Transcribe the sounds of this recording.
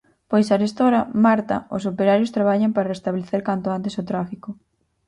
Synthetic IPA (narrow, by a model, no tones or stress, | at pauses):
pojsaɾest̪oɾɐmaɾt̪ɐ̰osopeɾaɾjost̪ɾaβaʎampaɾarest̪aβleθeɾkant̪oant̪esot̪ɾafikʊ